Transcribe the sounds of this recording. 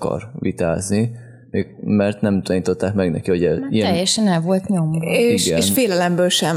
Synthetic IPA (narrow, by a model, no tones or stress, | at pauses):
kɒ̰rʋḭt̪a̰ːzni | meɡmɛrt̪nɛmt̪ɒɲiːt̪o̞t̪ːaːkmɛɡnɛ̰kiho̞ɟɛḭɛɛjːɛʃɛnɛlvo̞lt̪ɲo̞meʃɡɛeːnʃfeːlɛlɛmbøːlʃɛm